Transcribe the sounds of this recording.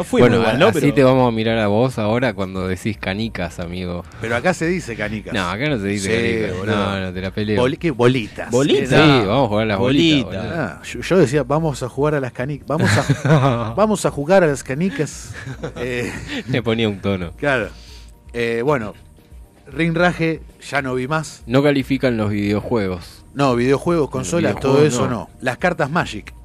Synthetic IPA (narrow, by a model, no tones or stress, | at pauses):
nofwibwenoanoeit̪eβamosamiɾaɾaβo̞saoɾakwand̪oðesihkanikasamiɣopeɾoakaseðisekanikanoa̰kanot̪eðisekaikononot̪elapeleolkeβo̞lit̪a̰boliniβamosxuɣaɾalaβoliiaoaaʃoʃoðes̬iaβamosaxuɣaɾalaskanikbamosa | bamo̞saxuɣaɾalaskanikas | eeponiaunt̪onoklaɾo̰eβwe̞no̞ | rinraxeʃano̞βimasnokalifikanlo̞zβiðeoxweɣosnoβið̞eo̞xwe̞ɣo̞sko̞nsolast̪oðoesono̰laskaɾt̪azmaʃik